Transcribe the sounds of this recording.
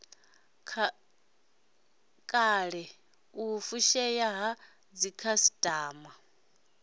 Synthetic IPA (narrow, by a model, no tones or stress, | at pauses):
kʼaɺɛ | ufuʃɛjaɦa | d͡zikʰasi̥tʼaːma